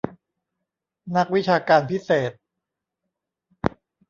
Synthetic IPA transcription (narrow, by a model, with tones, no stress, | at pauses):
na˦˥k̚wi˦˥t͡ɕʰaː˧kaː˧npʰi˦˥seː˨˩t̪̚